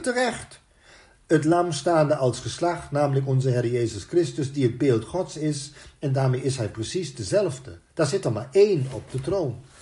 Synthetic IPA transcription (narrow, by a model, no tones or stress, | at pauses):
tərɛχt | ətlɑmstaːndəʔɑlˠsχəslaχtnaːmələkɔnzəɦɪrjeːzəskrɪstəsdiəd̚beːlˠtχɔtsɪsɛndaːɹmejɪsɦɛjprəsisdəzɛlˠvdəd̥aɹzɪtəɹmaːɹeːnɔp̚d̥ətrown